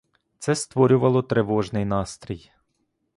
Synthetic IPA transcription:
t̪sɛst̪ʋɔɾʲʊʋɐlˠɔt̪ɾeʋɔʒnɪjnɑst̪ɾʲij

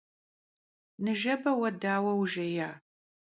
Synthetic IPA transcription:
nɨʒɐbɐwɐdaːwɐwʒɐjaː

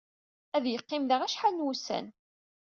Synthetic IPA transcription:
æðjəqːɪmðəʁæʃħalnwusæ̰n

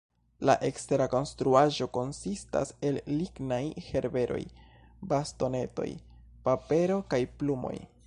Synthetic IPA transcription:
laʔe̞kste̞ɾako̞nstɾuaʒo̞ko̞nsista̰se̞lːiɡnajhe̞ɾbe̞ɾo̞̰j | basto̞ne̞to̞̰j | pape̞ɾo̞kajplumo̞̰j

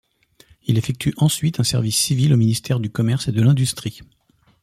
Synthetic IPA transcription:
ilefɛk̚t̪ʰyʔɑ̃sɥit̪ɛ̃sɛ̰ʁvisːivilominist̪ʰɛʁd̪ykɔmɛʁsed̪əlɛ̃d̪yst̪χi

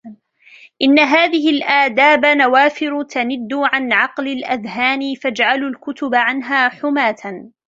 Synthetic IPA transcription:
ʔɪnːaɦaːðɪɦɪlʔaːd̪aːbanawaːfɪɾʊt̪anɪd̪ːʊʕanʕɑqlalʔaðɦaːnɪfad͡ʒʕalulkʊt̪ʊbaʕanɦaːħʊmaːt̪ʰan

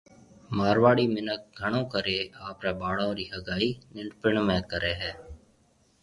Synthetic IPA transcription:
maːɾʋaːɽiːmɪnək̚ɡʱəɳ̃õːkəɾeːaːpɾɛːbaːɽõːɾiːɦəɡaːiːnɪɳɖpɪɳmẽːkəɾeːɦɛː

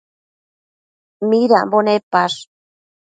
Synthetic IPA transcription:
miɾa̰mbonepaʂ

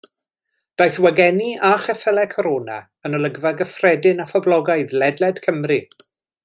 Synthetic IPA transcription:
d̥ajθwaɡɛniaχɛfɛlˠɛkʰɔɾoːna̰ | ənəlˠəɡvaɡəfrɛdɪnafɔblˠɔɡaɨðlɛdlɛd̥kʰəmri

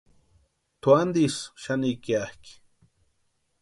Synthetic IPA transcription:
t̪uand̪isʃanikiahki̥

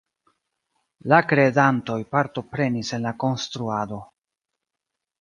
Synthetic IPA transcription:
lakɾe̞danto̞jpaɾto̞pɾe̞nise̞nlako̞nstɾuado̞

